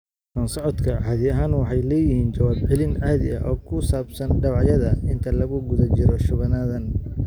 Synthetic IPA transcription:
kʰɐnsɔʕɔd̪kʰɐʕɑːðɪɐɦaːnwɑħɑjlɛːjɪhiːnt͡ʃɐwaːbʕɪlɪnɑhðɪ̰ɐ̰ʔɔːkʰʊsaːbsɐnɖɐβɑʕjɐðɐɪnt̪ʰɐlɐɣʊɡʊðɐt͡ʃɪɾɔʃʊβɐnaːðɐn

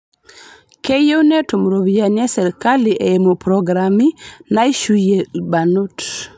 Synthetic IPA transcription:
kejewnɛtomɾobijaɲɛsɛɾkaliʔeemopɾɔɡɾaminaiʃujelbanut

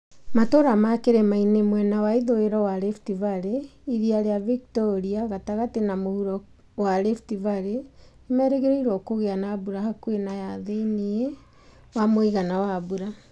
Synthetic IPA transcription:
matoɾamakeɾɛmainemwɛnawaiðoeɾɔwaɾɛftivaɾeiɾiaɾeaviktɔɾiaɣataɣatenamohuɾɔ | waɾɛftivaɾeː | mɛɾɛɣeɾeiɾwɔkoɣeanaːbuɾahakwenajaðeinie | wamoiɣanawaβuɾa

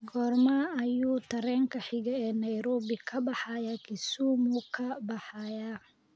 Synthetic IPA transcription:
ɡɔːrmaːɐjuːt̪ʰɐɾɛːŋkʰɐħɪɣɐɛːnɐjɾɔːbɪkʰɐbɑħɑjaːkʰɪsuːmukʰɐbɑħɑːjaː

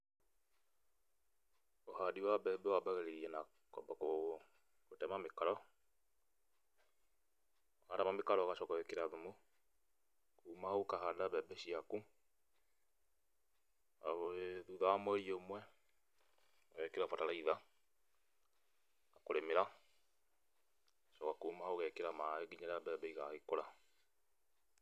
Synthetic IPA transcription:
ohadiwaβɛbɛwabaɣɛɾeɾiɛna | kɔbako | kotɛmamekaɾɔ | aɾamamekaɾɔɣaʃɔkɔɛkeɾaðumo | kuːmahokahadaβɛbɛʃiaku | aeðuðaamwɛiomwɛ | ɔɣɛkeɾafataɾaiða | akoɾemeɾa | ʃɔkakumahoɣɛkeɾamaeɡiɲaɾeabɛbɛiɣaɣekoɾa

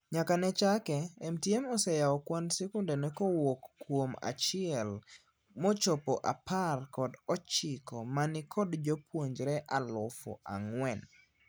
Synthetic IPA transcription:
ɲakanɛt͡ʃakɛɛmtjɛmɔsɛjaɔkwansɛkʊndɛnɛkɔwokːwoma̰t͡ʃɪɛl | mɔt͡ʃɔpɔʔa̰parkɔdɔt͡ʃɪkɔmanɪkʰɔdd͡ʒopwoɲd͡ʒɾɛʔalʊfɔ̰ʔa̰ŋwɛn

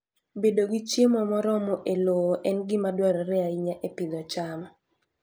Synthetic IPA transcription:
bedoɡit͡ʃjemɔmɔɾɔmɔʔeloʔɛnɡɪmadwaɾɔɾɛaiɲaʔepid̪ɔt͡ʃamɔ

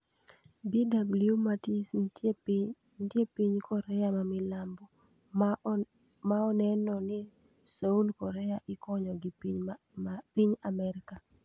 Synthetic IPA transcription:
bidabuljumatis | tjepiɲkʰɔɾɛamamɪlambɔ | maɔnɛnɔnɪ | soulkɔɾɛaʔɪkɔɲɔɡɪ | piɲamɛɾɪka

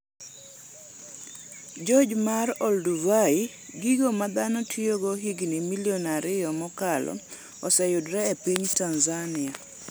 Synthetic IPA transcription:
d͡ʒɔd͡ʒmaɾɔlduvai | ɡiɡomad̪anɔtʰioɡɔɦiɡnimiliɔnaɾɪjɔmɔkalɔ̰ | ɔsɛjudɾɛːpiɲtanzanɪa

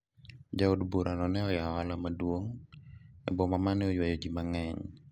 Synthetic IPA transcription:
d͡ʒaodbuɾʔanɔnɛɔjawalamadwoŋ | ɛbɔmamanɛojwajod͡ʒimaŋɛɲ

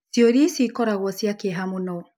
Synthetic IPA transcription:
sjoɾisikɔɾaɣwɔsjakeɦamunɔ

